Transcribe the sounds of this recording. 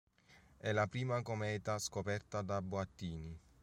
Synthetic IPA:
ɛlapɾiːmakomɛːt̪askopɛrt̪ad̪abwat̪ːiːni

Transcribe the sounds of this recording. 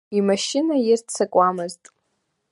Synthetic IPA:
imaʃɪnajɪrt͡sʰakʷʼamɨztʼ

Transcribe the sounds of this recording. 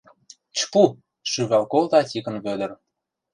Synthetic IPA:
t͡ɕpu | ʃyβɑlkolt̪ɑt̪ʲikə̆nβød̪ə̆r

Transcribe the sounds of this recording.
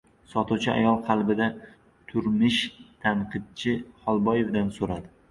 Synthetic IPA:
sɒt̪uwt͡ʃʰɪʔa̰jɒlˠqʰɑlˠbɪd̪a | t̪ʰʊɾmɪʃt̪ʰanqʰɨd̪̚t͡ʃʰɪhɒlˠbɒje̞vd̪ansoɾad̪ɪ

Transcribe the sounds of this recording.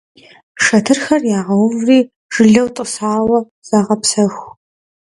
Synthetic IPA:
ʂɐtʰɨrxɐrjaːʁɐwʊvriː | ʒ̥ɨɮɐwtʼɨsaːwɐ | z̥aːʁɐpsɐxʷ

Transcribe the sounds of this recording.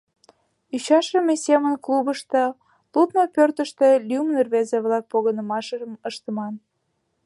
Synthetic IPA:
yɕɑʃəmesemənklubəʃt̪ĕ | lut̪nopørt̪əʃt̪elʲyumnerβezeβlɑk̚poɣənəmɑʃəəməʃt̪əmɑn

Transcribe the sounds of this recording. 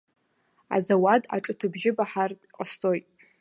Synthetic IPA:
a̰zawada̰ʈ͡ʂʼɨtʰɨbʒɪbaħarʼqʼəstʰojtʼ

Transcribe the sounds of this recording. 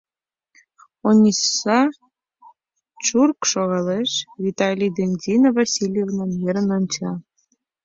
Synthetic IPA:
onʲisɑ | t͡ɕurkʃoɣɑleʃvʲit̪ɑlʲid̪enʲd̪ʲinovɑsʲilʲjevnɑnjeɾənonʲt͡ɕɑ

